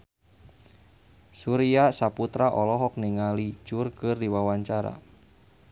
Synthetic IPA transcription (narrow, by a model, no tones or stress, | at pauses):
suɾiasaput̪ɾaʔɔlɔɦɔk̚niŋalid͡ʒurkɨrdiwawaɲt͡ʃaɾa̰